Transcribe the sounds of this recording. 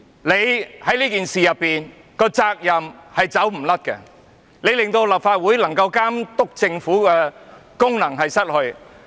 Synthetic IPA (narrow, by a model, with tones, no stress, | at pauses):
le˨˧jhɐ˨˥jliː˥kiː˨nsiː˨jɐ˨p̚ːiː˨n | kɔː˧t͡saː˧k̚jɐ˨mhɐ˨jt͡sɐ˨˥wm̩˨˩lɐ˥t̚kɛ̰˧ | nle˨˧jlɪ˨ŋt̪o˧wlɐː˨p̚faː˧t̚wuː˨˥jlɐ˨˩ŋkɐ˧wkaː˥mt̪ʊ˥k̚t͡sɪ˧ŋfuː˨˥kɛː˧kʊ˥ŋnɐ˨˩ŋɦɐ˨jsɐ˥t̚hɵ˧ɥ